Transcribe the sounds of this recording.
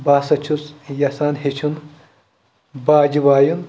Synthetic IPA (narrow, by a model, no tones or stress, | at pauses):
baːsɐt͡ʃʰusjɐsaːnɦet͡ʃʰun | baːd͡ʒibaːjun